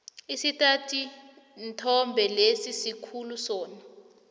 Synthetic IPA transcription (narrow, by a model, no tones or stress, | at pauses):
isitʼatʰi | ntʰɔmbʱɛlesisikʰulusɔːna